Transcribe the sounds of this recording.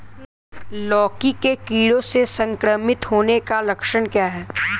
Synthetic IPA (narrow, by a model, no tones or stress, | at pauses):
lɔːkikekiːɽõsesɐ̃ŋkɾəmɪt̪ɦoːnekalɐkʃəɽ̃kjaːɦɛː